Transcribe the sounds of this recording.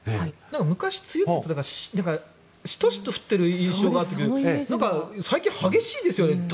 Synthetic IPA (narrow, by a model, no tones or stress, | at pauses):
anãŋkamɯ̟kaɕi̥t͡sɨjɯt̪ːet̪od̪akaɾaɕnãŋka | ɕi̥t̪oɕi̥t̪oɸɯ̟̥t̪ːeɾɯ̟ĩɰ̃ɕo̞ːɡaːt̪ːekɯɾɯnãŋkasaikʲĩhaɡe̞ɕiːd̪e̞sɨjone